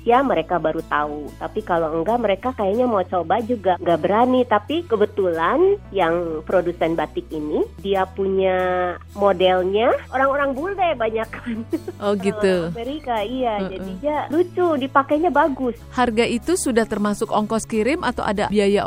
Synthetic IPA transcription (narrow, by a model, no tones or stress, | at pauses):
siaməɾekabaɾut̪aut̪apikaloəŋɡaməɾekakajaɲamawt͡ʃobad͡ʒuɡaŋɡabəɾanit̪apikəbət̪ulanjaŋpɾodusɛnbat̪ɪkinidiapuɲa | modɛlɲaʔoɾaŋoɾaŋbulɛbaɲakanʔɔɡit̪uməɾikaijad͡ʒadid͡ʒalut͡ʃudipakaɲabaɡʊsharɡaʔit̪usudaht̪ərmasʊkɔŋkɔskiɾɪmʔat̪a̰wʔa̰dabiaja